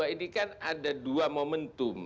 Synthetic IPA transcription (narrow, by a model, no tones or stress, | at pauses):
ainikanadaduamomənt̪ʊm